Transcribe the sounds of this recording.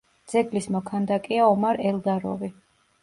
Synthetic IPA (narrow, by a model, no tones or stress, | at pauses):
d̪z̥ɛɡlismɔkʰand̪akʼiaɔmaɾɛlˠd̪aɾɔ̰vi